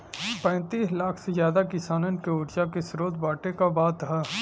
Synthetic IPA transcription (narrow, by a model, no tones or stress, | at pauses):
pɛ̃ːt̪iːslaːkʰsezjaːd̪akɪsaːnənkeʊːɾt͡ʃakesɾoːd̪baːʈekabaːt̪ɦɛː